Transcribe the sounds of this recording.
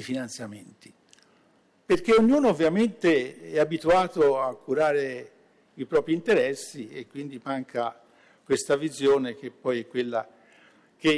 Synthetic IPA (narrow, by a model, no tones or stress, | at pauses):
ifinant̪sjament̪i̥ | perk̟eoɲːuːnoovːjament̪eɛabit̪uaːt̪oakːuɾaːɾe | ipɾɔːpɾint̪eɾɛsːiekːwind̪imaŋkʰa | kwest̪avizjoːnek̟epːɔjɛkwelːa | k̟e